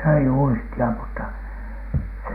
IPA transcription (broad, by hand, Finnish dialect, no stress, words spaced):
søi uistiɑ mutːɑ s